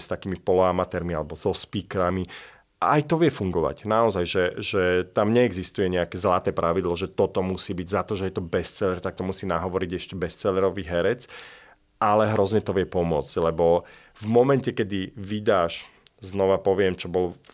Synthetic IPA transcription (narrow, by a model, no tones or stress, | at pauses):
st̪akiːmipɔlɔamat̪ɛɾmialɛbɔzɔspiːkɾami | aːjt̪ɔʋɪɛfuŋɡɔʋa̰ɟnaɔzajʒɛʒɛt̪amɲɛɛɡzist̪ujɛɲɛakɛːzlat̪ɛːpɾʔaʋid̪lɔʒɛt̪ɔt̪ɔmusiːbiɟzat̪ɔʒɛjɛt̪ɔbɛst͡sɛlɛɾt̪akt̪ɔmusiːnaɦɔʋɔɾiɟɛʃcɛbɛst͡sɛlɛɾɔʋiːɦɛɾɛt͡s | alɛɦɾɔzɲɛt̪ɔʋɪɛpɔmʊɔt͡sclɛbɔ | vmɔmɛncɛkɛd̪iʋid̪aːʃ | znɔʋapɔʋɪɛmt͡ʃɔbɔlɔ